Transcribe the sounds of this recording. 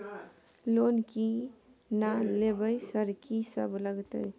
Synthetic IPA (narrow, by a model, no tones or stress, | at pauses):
lonki | nalebəjsəɾkisa̰bulaɡt̪ə̰j